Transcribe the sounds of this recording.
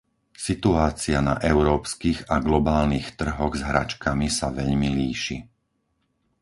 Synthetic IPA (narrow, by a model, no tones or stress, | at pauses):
sit̪uaːt͡sianaʔɛʊɾɔːpskiɣaɡlɔbaːlnixt̪r̩ɦɔɣzɦɾa̰t͡ʃkamisaʋɛʎmiliːʃḭ